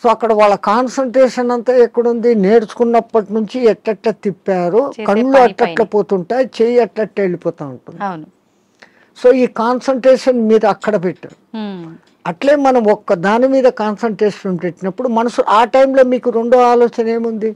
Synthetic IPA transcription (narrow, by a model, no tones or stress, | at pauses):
so̞ːɐkːɐɽɐʋaːɭːɐkaːnsɐɳʈɾeːʂɐnɐnt̪aːɛkːɐɽund̪ine̞ːɽut͡ʃu̥kunːɐpːɐʈinuɲt͡ʃiɛʈlɐʈlɐːt̪ipːaːɾukɐɳloːɐʈlɐʈlɐpoːt̪uɳʈaːt͡ʃeːjɐʈlɐʈːɐeɭipɔːt̪aːɐɳʈund̪i | so̞ːiːkaːnsɐɳʈɾeːʂɐnmiːd̪ɐɐkːɐɽɐpeʈːa̰ːɾu | ɐʈle̞ːmɐnɐmɔkːɐd̪aːnimiːd̪ɐkaːnsɐɳʈɾeːʂɐpempeʈːinɐpːuɽumɐnɐsuaːʈɐjmlo̞ːmiːkuɾe̞ɳɖoːaːloːt͡ʃɐne̞ːmund̪i